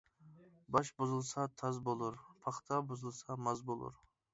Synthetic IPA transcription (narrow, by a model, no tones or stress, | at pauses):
bɑʃbʊzɨlˠsat̪ʰɑzbolˠʊɾpʰɑχt̪ʰabʊzɨlˠsamazbolˠʊ̰ɾ